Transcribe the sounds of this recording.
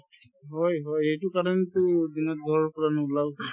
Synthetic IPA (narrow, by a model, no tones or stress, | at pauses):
ɦɔjɦɔjejtʊkaɹɔnɛtʊdinɔt̚ɡʱɔɹɔɹkɔɹanʊʊlaw